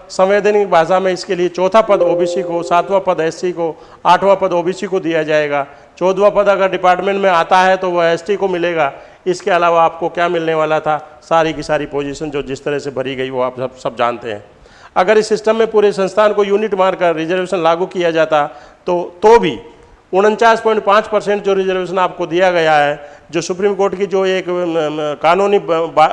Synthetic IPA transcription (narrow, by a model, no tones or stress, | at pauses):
sɐ̃m̃ʋeːd̪ʱənkibaːzamẽɪskeliet͡ʃɔːt̪ʰapɐd̪oːbiːsikosaːt̪ʋapɐd̪ɛːsiko | aːʈʰʋapɐd̪oːbiːsikod̪ijad͡ʒaːeːɡaː | t͡ʃɔːd̪ʋapɐd̪ɐɡəɾɖɪpaːɾʈmẽɳʈmẽaːt̪aɦɛt̪oʋoɛːsʈikomɪleːɡaː | ɪskeɐlaːʋaaːp̚kokjaːmɪlneʋaːlat̪ʰasaːɾikisaːɾipoːd͡ʒiʃənd͡ʒoːd͡ʒɪst̪əɾəɦsebɐɾiɡɐiʋoaːpsɐb̚d͡ʒa̰ːnt̪eɦɛ̰̃ː | ɐɡəɾɪsːɪsʈəmːẽpuːɾesə̃nst̪ʰaːnkojuːnɪʈmaːɾkəɾːɪd͡ʒəɾʋeːʃənlaːɡukijad͡ʒaːt̪at̪ot̪obʱi | ʊnɦə̃nt͡ʃaːspɔ̃ːɪɳʈ̚pãːt͡ʃpɐɾsɛ̃ɳʈd͡ʒoɾɪd͡ʒəɾʋeːʃ̬ənaːp̚kod̪ijaɡɐjaɦɛːd͡ʒoːsʊpɾiːmkoːɾʈkid͡ʒoːeːkkaːnuːniba